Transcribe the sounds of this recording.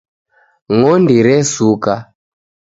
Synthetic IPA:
ŋɔndiɾɛsuka

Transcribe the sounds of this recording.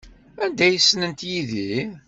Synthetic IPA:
ænd̪æjəsːnənt̪jiði

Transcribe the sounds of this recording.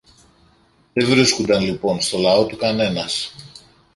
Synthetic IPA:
ðe̞vɾiskund̪ɐnlipo̞nst̪o̞lɐo̞t̪ukɐne̞nɐs

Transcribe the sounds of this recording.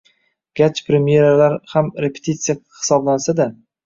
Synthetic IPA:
ɡ̥ʲat͡ʃpʰɾemije̞ɾalaɾhamɾe̞pʰe̥t̪ʰit̪sɨjahɪ̥sɒblansad̪a

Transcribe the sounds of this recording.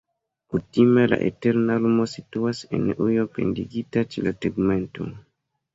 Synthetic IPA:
kutimela̰ʔḛte̞ɾnalumosituase̞̰nujope̞̰ndiɡitat͡ʃḛlateɡme̞nto̰

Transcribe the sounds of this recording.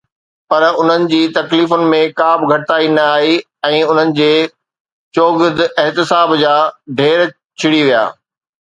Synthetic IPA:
pɐɾʊn̤ənɪ̆d͡ʑiːt̪ɐkliːfʊnɪ̆mẽkaːbɡʱɐʈt̪aːinɐaːɦi | ɛ̃ːʊn̤ənɪ̆d͡ʑeː | t͡ɕoːɡɪd̪ɛɦt̪ɪsaːbd͡ʑaːɖʱeːɾ | t͡ɕʰɪɽiʋija̰ː

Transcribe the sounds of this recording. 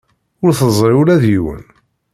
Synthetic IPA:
ʊɾθəzˤɾiʊɾæðjiwə̰n

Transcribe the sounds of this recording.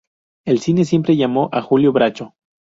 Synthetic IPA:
e̞lsine̞s̬je̞mpɾe̞ʝamo̞ʔaxuljo̞βɾat͡ʃo̞

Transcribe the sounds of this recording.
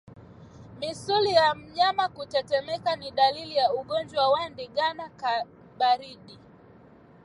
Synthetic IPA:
misulijam̩ɲamakutɛtɛmɛkaniɗalilijauɠɔnd͡ʒwawandiɠanaka | ɓaɾiɗi

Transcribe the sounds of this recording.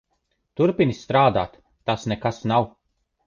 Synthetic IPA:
t̪uɾpinist̪ɾaːd̪a̰ːt̪ː | asnɛkasnaw

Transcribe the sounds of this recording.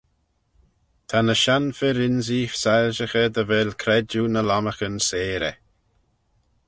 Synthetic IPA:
t̪ʰanəʃanfɪɾɪnziːfsɛlʒəxəd̪əvɛlkʰɾɛd͡ʒunəlaməxənseːɾɛ̰

